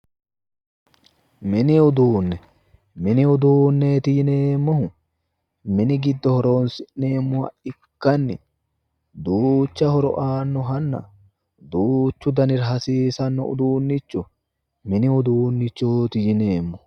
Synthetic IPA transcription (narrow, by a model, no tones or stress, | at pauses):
mɪnɪʊd̪uːnːɛ | mɪnɪʊd̪uːnːet̪ɪjɪneːmːɔhʊ | mɪnɪɡɪd̪ːɔhɔɾo̞ːnsɪʔne̞ːmːʊhɐ̰ʔɪ | kːɐnːɪ | d̪uːt͡ʃːɐhɔɾɔʔaːnːɔɦɐnːɐ̰ | d̪uːt͡ʃːʊd̪ɐnɪɾɦɐsiːsɐnːɔ̰ʊ̰d̪uːnːɪt͡ʃːʊ | mɪnɪʊd̪uːnːɪt͡ʃːoːt̪ɪjɪneːmːɔ